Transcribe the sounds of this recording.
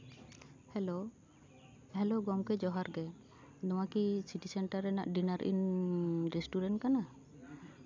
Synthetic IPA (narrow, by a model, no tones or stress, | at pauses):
hɛlo | ɦɛloɡɔmkɛd͡ʒɔɦaɾɡɛ | d̪ɔ̃wakisiʈisɛɳʈaɾːɛna̰ʔɖinaɾʔḭnɾɛsʈuɾɛɳʈ̚kana